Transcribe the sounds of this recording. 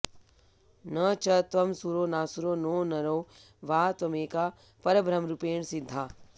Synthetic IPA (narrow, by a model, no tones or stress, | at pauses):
nɐt͡ʃɐt̪ʋɐmsuɾoːnaːsuɾoːnoːnɐɾoː | ʋaːt̪ʋɐmeːkaː | pɐɾɐbɾɐmɾupeːɳsɪd̪ʱːaː